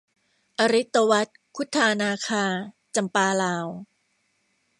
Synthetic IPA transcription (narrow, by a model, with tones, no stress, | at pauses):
ʔa˧ɾi˦˥t̪ːa˧wa˦˥t̪̚kʰu˦˥t̪ʰːaː˧naː˧kʰaː˧ | t͡ɕa˧mpaː˧laː˧w